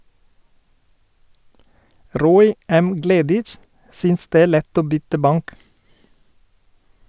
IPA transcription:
ˈɾoːɪ ˈɛm ˈɡleːdɪt͡ʃ ˈsyːns ˈdeː ˈeː ˈlɛt ˈoː ˈbʏtə ˈbɑŋk

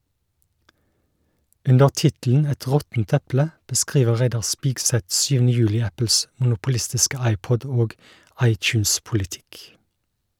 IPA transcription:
ˈʉndəʁ ˈtɪtl̩n̩ ˈɛt ˈʁɔtn̩t ˈɛplə bəˈskʁiːʋə ˈʁæɪdɑʁ ˈspiːɡˌsɛt ˈʃyːʋn̩ə ˈjʉːlɪ ˈæpl̩s mʊnʊpʊˈlɪstɪskə ˈɑɪˌpɔd ˈoːɡ ˈɑɪtˌçʉːnspʊlɪˌtɪk

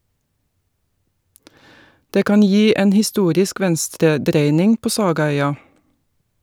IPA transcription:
ˈdeː ˈkɑːn ˈjiː ˈeːn hɪˈstuːɾɪsk ˈʋɛnstɾəˌdɾeɪnɪŋ ˈpoː ˈsɑːɡɑˌœʏɑ

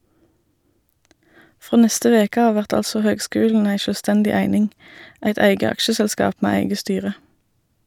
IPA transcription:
ˈfʁoː ˈnɛstə ˈʋeːkə ˈɑː ˈʋæʁt ˈɑlsɔ ˈhøːɡˌskʉːln̩ ˈæɪ ˌʃøːlˈstɛndɪ ˈæɪnɪŋ ˈæɪt ˈæɪɡə ˈɑkʃəsɛlˌskɑːp ˈmeː ˈæɪɡə ˈstyːʁə

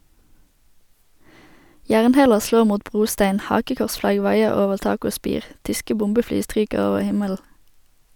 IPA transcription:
ˈjæːʁnˌheːləʁ ˈsloːʁ ˈmuːt ˈbʁuːˌstæɪn ˈhɑːkəkɔʁsˌflɑɡ ˈʋɑɪəʁ ˈoːʋəʁ ˈtɑːk ˈoː ˈspiːʁ ˈtʏskə ˈbʊmbəˌflyː ˈstʁyːkəʁ ˈoːʋəʁ ˈhɪməll̩

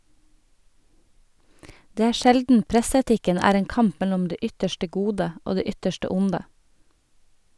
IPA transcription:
ˈdeː ˈæː ˈʃɛldn̩ ˈpɾɛsɛˌtɪkən ˈæːɾ ˈeːŋ ˈkɑmp ˈmɛlʊm ˈdeː ˈʏtəʃʈə ˈɡuːdə ˈoː ˈdeː ˈʏtəʃʈə ˈʊndə

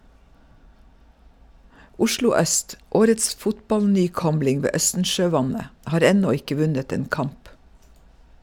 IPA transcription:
ˈʊʃlʊ ˈœst ˈʔoːɾəts ˈfʊtbɑlnyːˌkɔmlɪŋ ˈʋeː ˈœstn̩ʃøːˌʋɑnə ˈʔhɑːɾ ˈɛnɔ ˈɪkə ˈʋʉnət ˈeːn ˈkɑmp

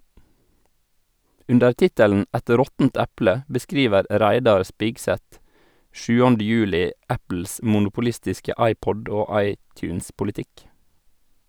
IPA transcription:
ˈʉndəɾ ˈtɪtəln̩ ˈɛt ˈɾɔtənt ˈæplə bəˈskɾiːʋəɾ ˈɾæɪdɑɾ ˈspɪɡsɛt ˈʃʉːɑnd ˈjʉːlɪ ˈæpl̩s mʊnʊpʊˈlɪstɪskə ˈɑɪˌpɔɖ ˈoː ˈɑɪˌtjʉːnspʊlɪˌtɪk

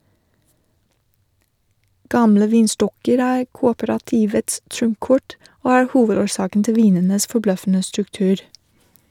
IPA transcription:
ˈɡɑmlə ˈʋiːnˌstɔkəɾ ˈæːɾ ˈkuːoːpəɾɑˌtiːʋəts ˈtɾʊmˌkɔʈ ˈoː ˈæːɾ ˈhuːʋədoːɾˌsɑːkn̩ ˈtɪl ˈʋiːnənəs fɔˈblœfn̩ə stɾʉkˈtʉːɾ

